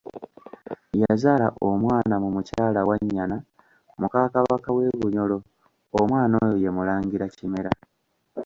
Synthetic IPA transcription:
jazaːlaʔomwaːnamumucaːlawaɲːana | mukaːkaβakawe̞ːβuɲo̞lo̞ː | mwaːno̞ːjoje̞mulaːŋɡiɾacime̞ɾa

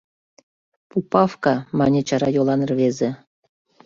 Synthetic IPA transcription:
pupɑfkɑmɑnʲet͡ɕɑɾɑjolˠɑnɤrβezĕ

